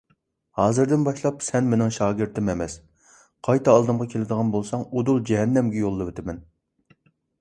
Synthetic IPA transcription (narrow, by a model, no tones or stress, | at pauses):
hɑːzɨɾd̪ɪnbɑʃlˠɑpsɛnmenɪŋʃɑːɡʲɪɾt̪ʰɪmemɛs | qʰɑjt̪ʰɑɑlˠd̪ɨmʁɑkʲʰelɪd̪əʁɑnbolˠsɑŋud̪ulˠd͡ʒɛɦɛnːɛmɡʲɛjolˠːɨvet̪ʰɪmɛn